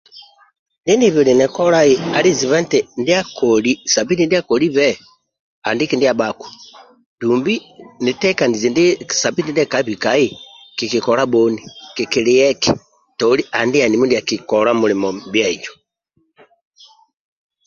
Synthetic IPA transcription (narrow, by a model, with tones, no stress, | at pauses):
ndi˦niβili˨nɛ˨kɔ˦laji˦a˨li˦zi˨βa˦ntɛndi˦a˦kolisa˨bi˦ni˦ndi˦a˦koli˦βɛ | a̰˨ndiki˦ndija˨baku̥ | d̥umbinitɛ˦ka˨ni˨zi˨ndi˦sa˨bi˦ni˦ndɛ˦ka˨i˦βi˨kaji˦ | ki˨kikɔla˦boniki˨ki˨lijɛ˦ki̥ | tɔli˦a˨ndi˦a˨ni˨mu˦ndi˨a˨ki˨kɔla˦mu˨limɔbja˦i˨d͡ʒo̥